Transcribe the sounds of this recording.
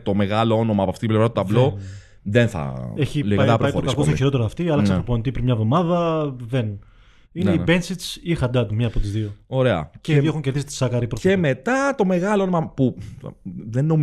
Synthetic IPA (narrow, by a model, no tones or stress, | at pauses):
t̪o̞me̞ɣɐloo̞nomɐpoɐft̪it̪iblevɾɐt̪t̪ɐvlo | ðenθɐ̰eçilɐɾoɐioɾkɐskosoçiɾot̪eɾoːft̪iɐlɐsɐpɾopont̪ipɾimɲɐvðo̞mɐðɐðen | inibensisixɐd̪ɐt̪umɲɐːpot̪izðio̞o̞ɾe̞ɐ̰ceiðioeuɲce̞ɾðisi̥t̪i̥sɐkɐɾipɾe̞me̞t̪ɐt̪o̞me̞ɣɐloonomɐpṵ | ðenːom